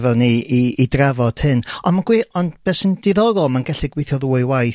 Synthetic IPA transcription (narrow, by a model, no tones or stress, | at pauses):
vɛniiidravɔd̥hɨnɔnmaɡ̥wiɔndb̥ɛsənd̥ɪðɔɾɔlˠmanɡɛɬiɡwejθjɔðuːɨwaj